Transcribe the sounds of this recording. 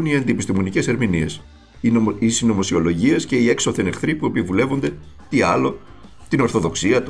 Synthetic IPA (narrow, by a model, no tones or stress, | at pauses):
niɐnd̪ipist̪imo̞nice̞se̞ɾminie̞s | isinomo̞sio̞lo̞ʝie̞sce̞ie̞ksoθenexθɾipue̞pivule̞vo̞nd̪e̞ | t̪iɐlo̞ | t̪ino̞ɾθo̞ðo̞ksiɐt̪u